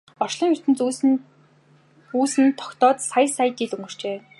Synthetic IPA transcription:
ɔ̥ʃɮiːŋur̥t̪ɘ̆nt͡s | uːsɘ̆nt̪ʰːɔ̥kt̪ɔːt̪sajsajt̪iːɮɵŋɡɵ̆r̥t͡ɕeː

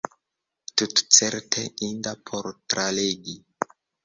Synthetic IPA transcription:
tutt͡seɾtʰeindapʰoɾtɾaleɡi

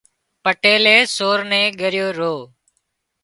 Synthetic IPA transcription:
pəʈeːleːsoːɾnẽːɠəɾɪjoːɾoː

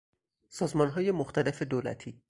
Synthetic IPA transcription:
sɒːzmɒnɦɒːje̞moxt̪æle̞fed̪oːlæ̰t̪ʰiː

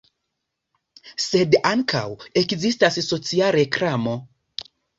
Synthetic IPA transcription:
se̞daŋkʰa̰we̞kzistasso̞t͡siaɾe̞kɾamo̞

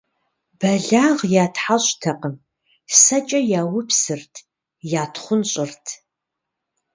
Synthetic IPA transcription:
b̥ɐɮaːʁjaːtʰħaɕʼtʰɐqəm | sɐt͡ʃʼɐjaːwʊpsɨrtʰ | jaːtʰχʷʊnɕʼɪrtʰ

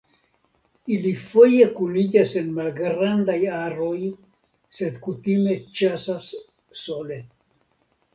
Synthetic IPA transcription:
ilifo̞je̞kulid͡ʒase̞nmalɡɾand̪ajaɾo̞j | se̞d̪kut̪ime̞t͡ʃasasː | o̞le̞

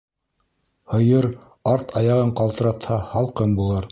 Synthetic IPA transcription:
hɤ̆jɤɾ | ɑɾt̪ʰɑjɑʁɤɴqɑlˠt̪ɤ̆ɾɑt̪hɑhɑlˠqɤnbulˠɤɾ

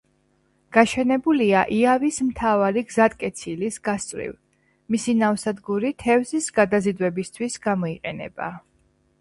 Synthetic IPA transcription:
ɡ̥aʃɛnɛbuliaʔiavismt̪ʰavaɾiɡzat̪ʼkʼɛt̪sʰilisɡ̥ast̪ʼvɾḭv | misinafsad̪ɡuɾit̪ʰɛvzisɡad̪azid̪wɛbist̪ʰwisɡamɔiqʼɛnɛ̰b̥a̰

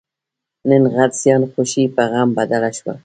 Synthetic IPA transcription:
nɪnʁad̪sjɑnxʊʃipaɣambad̪alaʃwa̰

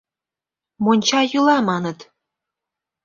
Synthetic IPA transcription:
monʲt͡ɕɑjɯlɑmɑnə̆t̪

